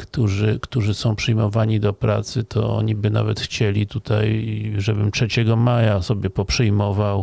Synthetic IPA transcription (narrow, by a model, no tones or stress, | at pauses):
kt̪uʐɘkt̪uʐɘsɔ̃w̃pʂɘjmɔvaɲid̪ɔpɾa̰t̪sɘt̪ʰɔɔ̰ɲibɘna̰vɛt̪xt͡ɕɛlʲit̪ut̪ʰa̰jʐɛbɘmtʂɛt͡ɕɛɡɔmajasɔbʲjɛpɔpʂɨjmɔvaw